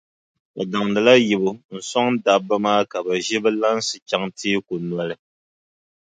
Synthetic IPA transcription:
ka˨da˨ŋdɨ˨la˦ji˨bo˦n̩˦sɔ˦ŋ˦da˨bːa˦maː˦ka˨bɛ˨ʒi˦bɛ˦la˦n̩˦sɨ˨t͡ʃa˦ŋtiː˦ku˨nwa˨lɨ˦

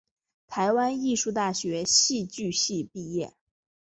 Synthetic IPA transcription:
t̪ʰa˧˥ɪwa˥ni˥˧ʂu˥˧t̪a˥˩ɕɥɛ˧˥ɕi˥˧t͡ɕy˥˧ɕi˥˧pi˥˧jɛ̰˥˩

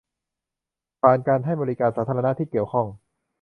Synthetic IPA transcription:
pʰaː˨˩nkaː˧nɦa˥˩jbɔː˧i˦˥kaː˧nsaː˩˦t̪ʰːɾna˦˥t̪ʰiː˥˩ki˨˩əwkʰɔ˥˩ŋ

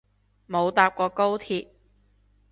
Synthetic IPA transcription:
mo˨˧wt̪aː˧p̚kɔː˧ko˥wt̪ʰiː˧p̚

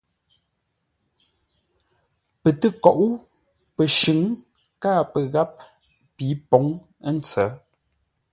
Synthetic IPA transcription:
pə˨tə˦˨kɔ˨ʔu˦ | pə˨ʃʉ˨˦ŋ | kaː˦pə˨ɣa˦p̚ | pi˨˦pɔ˨˦ŋ | ə˦n̩˨˦t͡sɛ˨˦

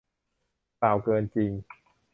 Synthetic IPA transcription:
a˨˩wkɤː˧nt͡ɕi˧ŋ

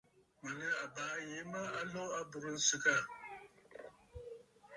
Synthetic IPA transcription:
ma˨nɨ˦a˨baː˨˦je˨˦ma˦a˦lɔ˦a˦bʊ˨ɾɨ˦n̩˦sɨ˦ka˦˨

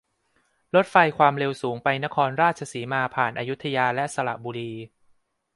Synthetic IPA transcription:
lo˦˥t̪̚fa˧jkʰwaː˧mɾe˧wsuː˩˦ŋpa˧jna˦˥kʰɔː˧nɾaː˥˩t̪̚t͡ɕʰa˧siː˩˦maː˧pʰaː˨˩nʔaː˧ju˦˥t̪ʰːa˧jaː˧lɛ˦˥sa˧ɾa̰˨˩ʔbuː˧ɾiː˧

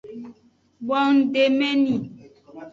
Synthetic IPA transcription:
ɓɔ˨ŋ̩˨de˨me˦ni˨

